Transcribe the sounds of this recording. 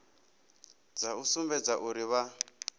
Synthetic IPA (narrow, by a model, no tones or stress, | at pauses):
d͡zausumbɛd͡zaʔuɾiβa